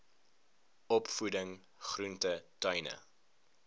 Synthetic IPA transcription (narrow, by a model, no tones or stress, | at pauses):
ɔpfudəŋ | χruntətœɥnə̰